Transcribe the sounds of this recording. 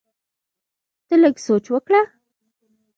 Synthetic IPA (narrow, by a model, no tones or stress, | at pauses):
t̪ələɡsot͡ʃwəkɽa